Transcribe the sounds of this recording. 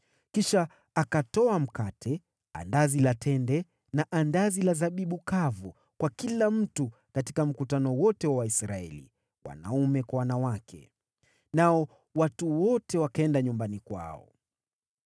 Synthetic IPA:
kiʃa | akatɔam̩katʰɛ | a̰ndazilatʰɛndɛ | naʔandazilazaɓiɓukavu | kwakilam̩tu | katikam̩kutanɔwɔtɛwawaisɾaɛ̰lḭ | wa̰na̰umɛkwawanawakʰɛ̰ | naɔ | watuwɔtɛwakaɛndaɲumbanikwa̰ɔ̰

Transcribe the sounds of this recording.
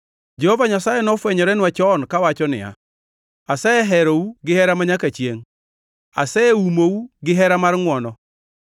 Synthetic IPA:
d͡ʒɛhɔvaɲasajɛnɔfwɛɲɔɾɛnwat͡ʃɔnkawat͡ʃɔnɪ̰a̰ | asɛɛɦɛɾouɡɪhɛɾamaɲakat͡ʃjeŋ | a̰sɛeumouɡɪɦɛɾamaɾŋwɔnɔ

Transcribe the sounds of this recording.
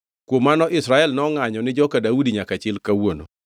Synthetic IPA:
kwomːanɔʔɪsɾaɛlnɔŋaɲɔnɪd͡ʒɔkadaudiɲakat͡ʃɪlkawono̰

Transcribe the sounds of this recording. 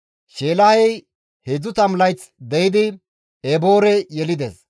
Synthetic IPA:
ʃeːlɐhɛj | hed͡zʊt̪ɐmlɐjt͡s | d̪ɛjɪd̪ɪ | ɛbo̞ːɾɛjɛlɪd̪es

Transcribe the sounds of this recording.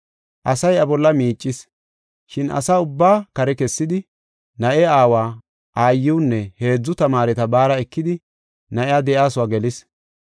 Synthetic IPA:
ʔɐsɐjɐbɔlːɐmiːt͡ʃʼːɪs | ʃɪnʔɐ̰saːʊbːaːkɐɾɛkɛsːɪd̪ɪ | nɐʔɛaːwaː | ʔaːjːɪwːnːɛhe̞ːd͡zːʊt̪ɐmaːɾɛt̪ɐbaːɾɐɛkːɪd̪ɪ | nɐʔɛjaːd̪ɛʔaːsʊwaɡɛlɪs

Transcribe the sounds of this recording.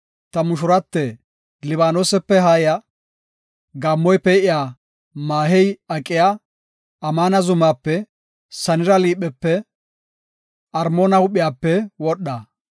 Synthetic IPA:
t̪ɐmʊʃ̬ʊɾɐt̪ːɛ | lɪβaːnoːsɛpːɛɦaːjɐ | ɡɐmːɔjpɛʔɪjaː | maːɦɛjɐkʼːɪja | ɐmaːnɐzʊmaːpːɛ | sɐnɪɾɐliːɓɛpːɛ | ʔɐɾmoːnɐhʊɓɪjaːpːɛwɔɗːɐ

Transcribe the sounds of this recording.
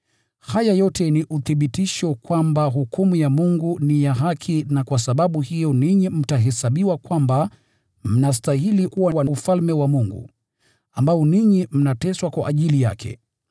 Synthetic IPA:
hajajɔtɛniʔuθiɓitiʃɔkwambaɦukumujamuŋɡunijaɦakʰinakwasaɓaɓuhijɔniɲim̩taɦɛsaɓiwakwamba | m̩nastahilikuwawanufalmɛwamuŋɡṵ | ambaɔniɲim̩natɛswakwa̰ʔaʄilija̰kʰɛ̰

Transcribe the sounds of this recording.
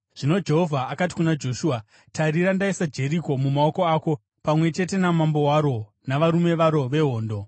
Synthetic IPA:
ʐ̥ino̞d͡ʒe̞ɦo̞vʱaːkat̬i̥kunad͡ʒo̞ʃua | tʰaɾiɾandaisad͡ʒe̞ɾiko̞mumao̞ko̞aːko̞ | pamwe̞t͡ʃe̞te̞namambo̞waɾo̞ | naʋaɾume̞ʋaɾo̞ʋe̞ɦo̞ːndo̞

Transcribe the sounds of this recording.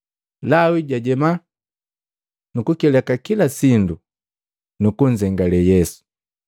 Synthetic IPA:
lawiɟaɟɛma | nukukɛlɛkakilasindu | nukuɲd͡ʒɛŋɡalɛjɛsu̥

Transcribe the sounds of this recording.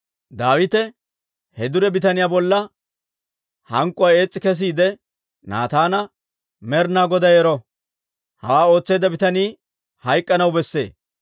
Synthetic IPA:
d̪aːwɪt̪ɛ | hɛd̪ʊɾɛbɪt̪ɐnɪjaːbɔlːɐ | hɐŋkʼːʊwɐje̞ːt͡sʼːɪkɛs̬iːd̪ɛ | na̰ːt̪aːnɐ | mɛɾnaːɡɔd̪ɐjɛɾɔ | hɐwaːo̞ːt͡sːe̞ːd̪ɐbɪt̪ɐniː | hɐjkʼːɐnɐwbɛsːe̞̰ː

